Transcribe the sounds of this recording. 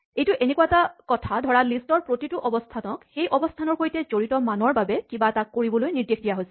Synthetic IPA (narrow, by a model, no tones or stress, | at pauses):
ejtʊʔenɛkuwaɛtakɔtʰadʱɔɹalistɔɹpɹotitʊʔɔbɔstʰanɔkxejʔɔbɔstʰanɔɹxojtɛzoɹitɔmanɔɹbabɛkibatakːoɹibɔlojniɹdexdijaɦojsɛ̥